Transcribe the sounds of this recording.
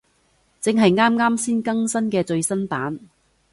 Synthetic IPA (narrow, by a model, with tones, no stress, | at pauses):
t͡sɪ˨˧ŋɦɐ˨jŋaː˥mŋaː˥msiː˥nkɐ˥ŋsɐ˥nkɛː˧t͡ʃɵ˧ɥsɐ˥npaː˨˥n